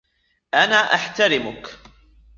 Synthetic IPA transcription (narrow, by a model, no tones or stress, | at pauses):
ʔanaːʔaħt̪aɾɪmʊk